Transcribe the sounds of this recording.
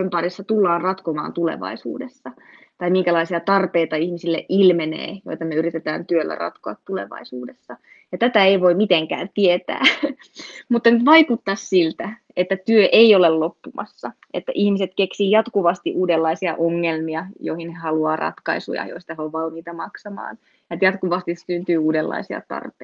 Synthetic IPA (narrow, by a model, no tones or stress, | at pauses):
ømpɑrisːɑt̪ulːɑːnrɑt̪komɑ̰ːnt̪ulḛʋɑ̰isṵːdesːɑ | t̪ɑimiŋkælɑisiɑt̪ɑrpeit̪ɑihmisilːḛʔilmenḛːjo̰jt̪ɑmeyrit̪et̪æ̰ːnt̪yølːæ̰rɑ̰t̪koɑt̪tulḛʋɑ̰isuːdesːɑ | jɑt̪æt̪æeiʋoimmit̪eŋkæ̰ːnt̪iet̪æ̰ː | mut̪ːɑnyt̪ʋɑikut̪ːɑssilt̪æ | et̪ːæt̪yøʔeiolellopːumɑ̰sːɑ | et̪ːæʔihmiset̪keksiːjɑt̪kuʋɑst̪iʔuːdelːɑisiɑ̰ʔoŋːelmiɑjoihinhehɑluɑːrʔɑ̰t̪kɑ̰isṵjɑ̰joist̪ɑseoʋʋɑlmiːt̪ɑmɑksɑmɑ̰ːn | jɑet̪jɑt̪kuʋɑst̪isynt̪yːuːdelːɑ̰isiɑ̰t̪ɑ̰rpe